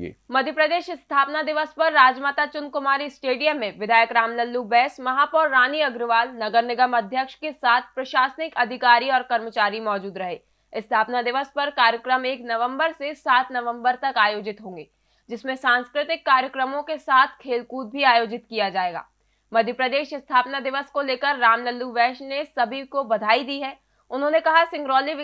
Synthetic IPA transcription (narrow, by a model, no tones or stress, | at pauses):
mɐd̪ʱjəpɾəd̪eːʃɪst̪ʰaːpnad̪ɪʋəspɐɾːaːd͡ʒmaːt̪at͡ʃʊnkʊmaːɾisʈeːɖijəmːẽʋɪd̪ʱaːjəkɾaːmlɐlːubɛːsmɐɦaːpɔːɾːaːniɐɡɾʋaːlnɐɡəɾnɪɡəmɐd̪ʱjəkʃkesaːt̪ʰpɾɐʃaːsnɪkɐd̪ʱɪkaːɾiɔːɾkɐɾmət͡ʃaːɾimɔːd͡ʒuːd̪ɾɐɦeː | ɪst̪ʰaːpnad̪ɪʋəspɐɾkaːɾjəkɾəmeːknɐʋə̃mbəɾsesaːt̪nɐʋə̃mbəɾt̪ɐkaːjoːd͡ʒɪt̪ɦõːŋɡeː | d͡ʒɪsmẽsãːnskɾɪt̪ɪkːaːɾjəkɾəmõkesaːt̪ʰkʰeːlkuːt̪̚bʱiaːjoːd͡ʒɪt̪kijad͡ʒaːeːɡa̰ː | mɐd̪ʱjəpɾɐd̪eːʃɪst̪ʰaːpnad̪ɪʋəskoleːkəɾːaːmnəlːuʋɛːʃnesɐbʱikobɐd̪ʱaːid̪iɦɛː | ʊnɦõːnekɐɦasɪ̃ŋɡɾɔːli